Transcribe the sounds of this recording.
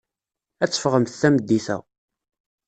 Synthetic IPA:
æt͡sːə̥fʁəmθθæməd̪ːiθæ̰

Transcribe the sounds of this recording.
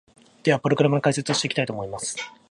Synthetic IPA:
d̪̥e̞βapɯ̟ɾo̞ɡɯ̟ɾamanokaise̞t͡sɨoɕiteki̥t̪ait̪o̞ːmo̞imasɨ̥

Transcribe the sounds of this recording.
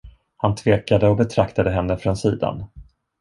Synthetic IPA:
hant̪ʰveːkad̪əɔbɛt̪ʰɾakt̪ad̪əɦɛnːəfɾonsiːd̪a̰n

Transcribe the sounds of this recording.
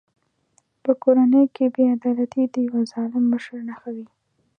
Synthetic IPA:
pəkoɾanəjkʰebead̪ɑlat̪id̪əjawazɑlɪmːəʃəɾnaxawi

